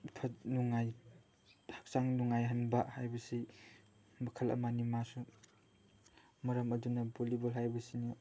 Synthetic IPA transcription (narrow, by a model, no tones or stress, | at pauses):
tʰanuŋajʰ | ak̚saŋnuŋajɦanbahajbɐsi | mɐkʰɐlɐ̰manimasu | mɐɾɐmɐdunɐbolibɐlɦajbɐsini